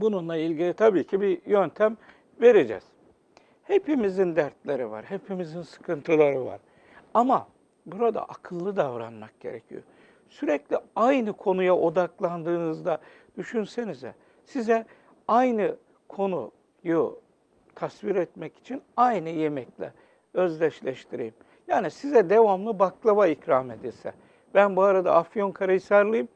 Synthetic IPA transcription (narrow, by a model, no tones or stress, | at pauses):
bununlˠailʲɟilʲit̪ʰabiːcʰibijønt̪ʰæm | ve̞ɾed͡ʒɛ̰z̥ | he̞pimizind̪æɾt̪lʲeɾiva̰ɾhepʰimizinsɯ̥kʰɯnt̪ʰɯlˠaɾɯva̰ɾ̥ | ama | buɾad̪a̰ʔakʰɯlˠːɯd̪avɾanmak̚ɟe̞̰ɾɛ̰cʰḭjo̰ | syɾɛclʲiajnɯkʰo̞nujaʔo̞d̪aklˠand̪ɯːnɯzd̪a | d̪̥yʃynse̞nizɛ̰ | sizɛ | ajnɯ | kʰo̞nu | jo | t̪ʰasviɾɛt̪mɛci̥t͡ʃʰinajnɯje̞mɛclʲɛ̰ | ø̞zlʲɛt͡ʃlʲɛʃt̪ʰiɾejim | jaːnisizɛd̪e̞vamlˠɯbaklˠaβaicɾaːme̞d̪ilʲsɛ̰ | b̥ænbuaɾad̪a̰ʔːfjo̞nkʰaɾajsaɾlˠɯjim